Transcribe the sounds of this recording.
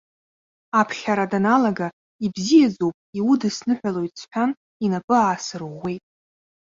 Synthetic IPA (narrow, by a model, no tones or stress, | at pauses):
apʰχʲaɾadanalaɡa | ibzijad͡zowpʼiwudɨsnɨħʷᶣalo̞jtʼt͡sħʷᶣan | inapʼɨaːsɨrʁʷːe̞jtʼ